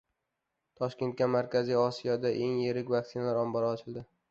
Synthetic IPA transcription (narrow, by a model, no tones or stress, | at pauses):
t̪ʰɒʃkʲe̞nt̪̚kʲamaɾkʲʰazijɒsijɒd̪aʔe̞ŋjeɾɪkʲvak̚t̪sɪnalaɾɒmbɒɾaːt͡ʃʰɪlˠd̪ɪ